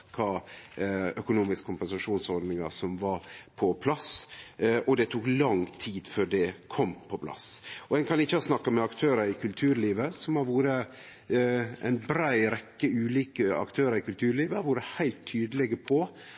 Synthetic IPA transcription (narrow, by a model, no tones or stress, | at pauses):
kʰɑː | œkʊnuːmɪskə̥kʰʊmpɛnsɑʂuːnsɔɾd̪nɪŋɑsɔmʋɑɾpʰɔpʰlɑs | ɔd̪ɛt̪ʰuːklɑŋt̪ʰiːd̪føːɖɛkʰɔmːpʰɔpʰlɑ̰sɔɛnkʰɑnɪçːəhɑsnɑkːɑmɛɑkt̪ʰøːɾɑɾɪkʰʉlt̪ʰʉːɾliːʋəsɔmhɑɾʋuːɾə | æ̰ɪnbɾæɪɾɛkːəʉːliːkəɑ̰kt̪ʰøːɾəɾɪkʉlt̪ʰʉːɾɭiːʋəhɑɾʋuːɾəhæɪlt̪ʰːyːd̪əlɛɡəpʰɔ